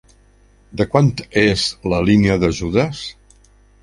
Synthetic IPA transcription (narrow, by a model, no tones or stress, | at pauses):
d̪əkwant̪ezləliniəðəʒuðəs